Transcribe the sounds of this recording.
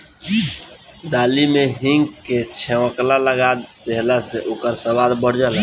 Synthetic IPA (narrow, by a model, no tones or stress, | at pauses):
d̪alimeɦĩŋɡket͡ʃʰeʋəklaləɡad̪d̪eɦlaseʔokəɾsəwad̪bəɽ̤d͡ʒəla